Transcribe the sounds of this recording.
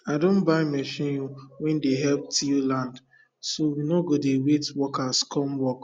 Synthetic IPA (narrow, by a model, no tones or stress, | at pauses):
adõnbaɪmɛʃĩnjuwɛ̃ndeɦɛlp̚tiulãnd | sowinoɡodewetwɔkaskʰɔmwɔk